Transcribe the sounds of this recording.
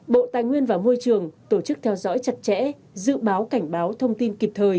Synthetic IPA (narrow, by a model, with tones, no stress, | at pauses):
ɓo̰˧˨t̪aː˨jŋwi˧ənvaː˨˩mo˧jt͡ɕɨ˨˩əŋt̪o˧˩t͡ɕɨ˦˥k̚t̪ʰɛ˧wzɔ̰˧˥jt͡ɕə˨˩t̚t͡ɕɛ̰˧˥ | zɨ̰˧˨ɓaː˨˦wka˧˩jŋ̟ɓaː˨˦wt̪ʰə˧wŋ͡mt̪i˧nki˨˩p̚t̪ʰəː˨˩j